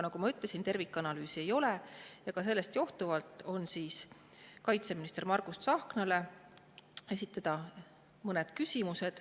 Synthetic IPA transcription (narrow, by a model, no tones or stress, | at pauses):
nɑɡumɑyt̪lesint̪e̞rvikːˑɑnɑlyːsie̞jo̞le̞jɑkɑse̞lːe̞st̪jo̞ht̪uvɑlt̪ˑo̞nsiːs | kɑjt̪se̞minist̪e̞rmɑrɡust̪sɑhknɑle̞ | e̞sit̪ːˑɑd̪̥ɑ | mɤned̪̥kysʲimuse̞d̪̥